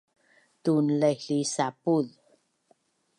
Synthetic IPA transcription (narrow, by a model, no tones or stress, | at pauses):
t̪unleɬisapuð